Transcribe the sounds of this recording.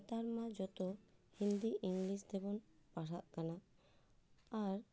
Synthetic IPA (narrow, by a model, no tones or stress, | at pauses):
t̪aɾmad͡ʒɔt̪ohĩnd̪iʔiŋlist̪ɛbɔnpaʈʰaʔkana | aɾ